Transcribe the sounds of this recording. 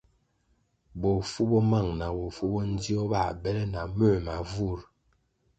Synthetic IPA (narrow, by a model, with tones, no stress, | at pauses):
bɔ˨fu˦bɔ˦ma˦˨ŋna˨bo˨fu˦bɔ˦n̩˦di˦ɔ˦ba˨bɛ˦lɛ˦na˨mə˦˨ma˨vu˦˨ɾ